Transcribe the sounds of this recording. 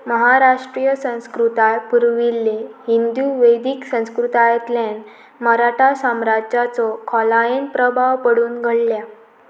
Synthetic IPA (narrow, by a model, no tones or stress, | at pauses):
məɦaɾaʂʈɾijəsə̃w̃skɾut̪ajpuɾʋilːehind̪uʋəjd̪iksə̃w̃skɾut̪ajət̪len | məɾaʈʰasamɾad͡ʑat͡sɔkʰɔlajenpɾəbʱaʋpəɽuːnɡʱəɭlja